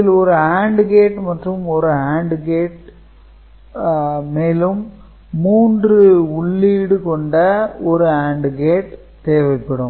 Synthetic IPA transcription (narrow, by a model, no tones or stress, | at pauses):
ɪlɔɾɯaːɳɖɡeːʈmɐʈrɯmɔɾɯaːɳɖɯɡeːʈ | meːlɯmː | uːndrɯʊɭːiːɽɯkɔɳɖɐɔɾɯaːɳɖɡeːʈ | t̪eːʋɐɪpːɐɽɯm